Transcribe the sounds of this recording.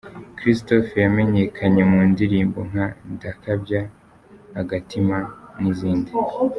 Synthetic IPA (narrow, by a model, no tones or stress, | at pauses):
kɾistofejame̞ɲe̞kʰaɲe̞muːndiɾiːmbo̞ŋ̥handakabjaː | ɡatimaniziːndi